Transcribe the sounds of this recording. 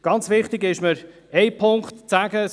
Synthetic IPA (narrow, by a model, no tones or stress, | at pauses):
ɡ̥ɑnt͡sʋɪχtɪɡɪʃməɾ | ɛɪpʰʊŋkχtt͡sæɡəs